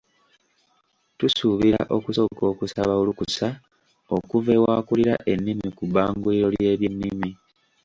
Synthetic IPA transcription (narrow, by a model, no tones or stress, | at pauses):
tusuβiɾa̰ʔo̞kuso̞ɡo̞ːkusaβaulukusa | o̞kuve̞waːkuliɾa̰ʔe̞nːimikuβaːŋɡuliɾo̞lje̞ːβjenːimi